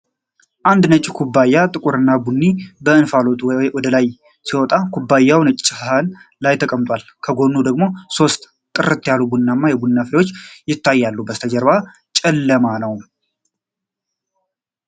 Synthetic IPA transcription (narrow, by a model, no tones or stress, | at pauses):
ʔand̪nət͡ʃʼːikʰubːajːat̪ʼɨkʼuɾɨnːabunːibəɨnfalo̞t̪ʼwɔd̪əlaj | siwɔt̪ʼakʰubːajːawnət͡ʃʼɪt͡ʃʼɪhaɦanlajt̪ʰəkʼəmt̪ʼwalkʰəɡo̞nːud̪əɡmo̞so̞st̪ | kʼɨɾɨt̪ʰːjalubunːamːajɛbunːafɾewo̞t͡ʃːjɪt̪ʰːajːalːubəst̪ʰəd͡ʒəɾβa | t͡ʃʼɛlːəmanəw